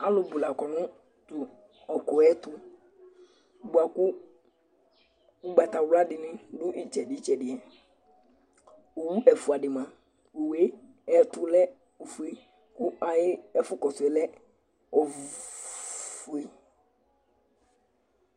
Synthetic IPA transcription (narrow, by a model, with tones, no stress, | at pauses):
a˦lʊ˨bʊ˨la˨kɔ˨nʊ̃˦ | tʊ˨ | ɔ˨kʊ˨ɛ˦tʊ˦˨ | bʊ˨a˨kʊ˦ | ʊ˦ɡ͡ba˨ta˨wʊ˦la˦dɪ˨nɪ̃˦dʊ˦ʔɪ˨t͡ʃɛ˨dɪ˨˦t͡ʃɛ˨dɪ˨ɛ˨ | o˨wu˦ʔɛ˨fu˨a˨dɪ˨mã˨ | o˨we˦ | ɛ˦tʊ˦lɛ˦ | o˨fu˨e˦ | kʊ˦a˨jɪ˦ɛ˦fʊ˦kɔ˨sʊ˨ɛ˨lɛ˦ | ɔ˨ | fu˨e˦